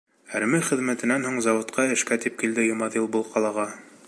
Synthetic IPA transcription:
æɾmɘχɘ̆ðmæt̪ɘ̆nænɦuɴzɑwŏt̪qʰɑɘ̆ʃkæt̪ip̚kild̪ɘjŏmɑðilˠbɤlˠqɑlˠɑʁɑ

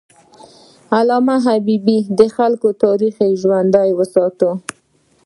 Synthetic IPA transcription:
alɑmaɦabibid̪əxalkot̪ɑɾixejʒwand̪ajwəsɑt̪o

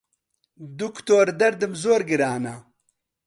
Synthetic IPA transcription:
d̪ukt̪oːɾd̪ɐɾd̪ɨmzoːɾɡɨɾaːna

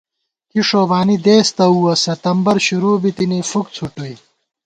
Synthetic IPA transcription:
kiʂoːbaːnid̪eːst̪ɐuːwɐsɐt̪ɐmbɐɾɕuɾuːbit̪inifukt͡sʰuʈui

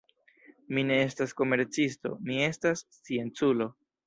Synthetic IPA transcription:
mine̞e̞stasko̞me̞ɾt͡sisto̞̰mie̞stas | t͡sie̞nt͡sulo̞

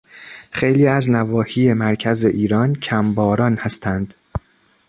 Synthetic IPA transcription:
xejliːæznævɒːhiːjemæɾcʰæzeʔiːɾɒncʰæmbɒːɾɒːnhæst̪ʰænd̪̥

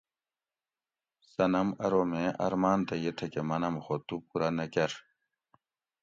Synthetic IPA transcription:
sɐnɐmɐɾomẽʔɐ̰ɾmaːnt̪ɐjet̪ʰɐkemɐnɐmxot̪upuɾanɐkɐɾ

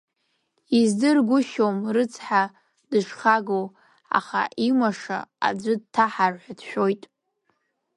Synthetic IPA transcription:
izdɨrɡʷʊʃomrɨt͡sʰħa | dɨʂχaɡow | a̰χa̰ʔimaʂa̰a̰d͡zʷɨd̚tʰaħarħʷadʃᶣo̞jtʼ

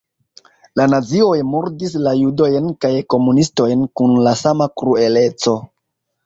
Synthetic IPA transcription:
lanazio̞jmoɾdislajudo̞jnkajko̞munisto̞jnkunlasamakɾue̞le̞t͡so̞

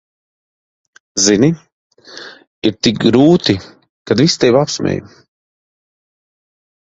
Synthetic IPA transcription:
zini | iɾt̪ik̚ɡɾuːt̪i | kad̪vist̪ɛjvapsmʲɛ̰j

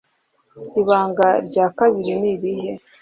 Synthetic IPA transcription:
iβaːŋɡaɾɟaːkaβiɾiniɾihe

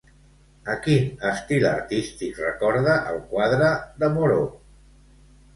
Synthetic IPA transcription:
əkinəst̪ilə̰ɾt̪ist̪ikrəkɔɾðəʔəlˠkwaðɾəðəmoɾo

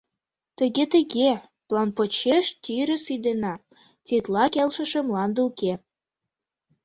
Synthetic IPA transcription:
t̪ə̆ɣet̪əɣe | plɑnpot͡ɕeʃt̪yɾə̆syd̪enɑ | t͡set̪lɑkelʃə̆ʃə̆mlɑnd̪əuke

